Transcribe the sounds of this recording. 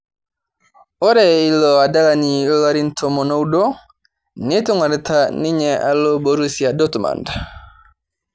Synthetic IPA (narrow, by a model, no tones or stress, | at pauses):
ɔɾɛilɔadalaniwaɾintʰɔmɔnɔwdɔ | nituŋwaɾtʰaniɲɛʔa̰lːɔboɾusiadɔtuma̰nda